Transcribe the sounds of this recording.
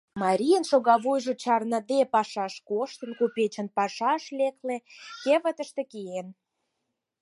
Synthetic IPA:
mɑɾʲijənʃoɣɑβujʒŏt͡ɕɑrnə̆d̪epɑʃɑʃkoʃt̪ə̆nkupet͡ɕə̆npɑʃɑʃlek̪let̪eβət̪əʃt̪ĕkeen

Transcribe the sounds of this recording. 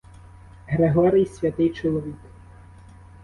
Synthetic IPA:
ɦɾeɦɔɾʲɪjsʲʋʲɐt̪ɪjt͡ʃɔlˠɔʋʲik

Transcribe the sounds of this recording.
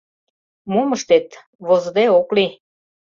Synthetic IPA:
moməʃt̪et̪ | βozd̪eokli

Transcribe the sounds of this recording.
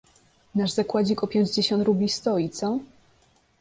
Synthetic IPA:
naʐzakwad͡ʑikɔpʲjeɲd͡ʑd͡ʑeɕɔ̃nt̪ɾubʲlʲist̪ɔit̪sɔ

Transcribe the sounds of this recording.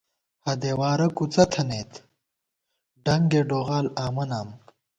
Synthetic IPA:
hɐd̪eːwaːɾɐkut͡sɐt̪ʰɐneːt̪ʰ | ɖɐŋɡeːɖoːɣaːlaːmɐnaːm

